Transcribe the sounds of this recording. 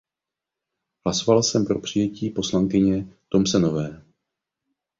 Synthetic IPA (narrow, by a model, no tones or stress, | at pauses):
ɦlaso̞valsɛmpɾo̞pr̝̥ɪjɛciːpo̞slaŋkɪɲɛt̪o̞msɛno̞vɛː